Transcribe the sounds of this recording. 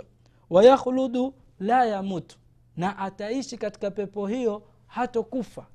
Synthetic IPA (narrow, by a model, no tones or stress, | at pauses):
wajaxluɗu | lajamutu̥ | naʔataiʃikati̥kapɛpɔhijɔ | hatɔkufa